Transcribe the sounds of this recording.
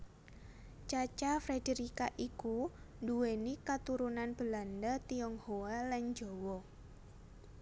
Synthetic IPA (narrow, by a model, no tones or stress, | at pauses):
t͡ʃat͡ʃafɾedeɾikaʔiku | nduwenikat̪uɾunanb̥ə̤landət̪iɔŋhoaland͡ʒowɔ